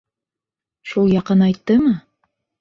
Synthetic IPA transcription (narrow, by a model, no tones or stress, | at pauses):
ʃulˠjɑqɤnɑjt̪ːɤmɤ